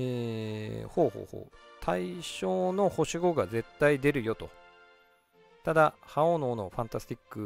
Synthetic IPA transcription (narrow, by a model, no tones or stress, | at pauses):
eː | ho̞ːho̞̰ːho̰ːt̪ʰaiɕo̞ːno̞ho̞ɕiɡo̞ɡaze̞t̪ːaid̪e̞ɾɯ̟jo̞t̪o̞̰ | t̪ad̪ahaonoːno̞ɸãnt̪asɨ̥t̪ʲikːɯ̟